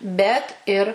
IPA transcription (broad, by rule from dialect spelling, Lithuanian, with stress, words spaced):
ˈbʲɛt ɪr